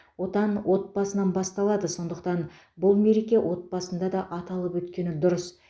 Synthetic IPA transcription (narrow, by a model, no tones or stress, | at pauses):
wo̞t̪ɑnwo̞t̪̚bɑsənɑnbɑst̪ɑlˠɑd̪əso̞nd̪əq̚t̪ɑn | bʊlˠme̞ɾe̞kʲe̞wʔo̞t̪̚bɑsənd̪ɑd̪ɑʔɑt̪ɑlˠəpwɵt̪kʲe̞nɪd̪ʊɾəs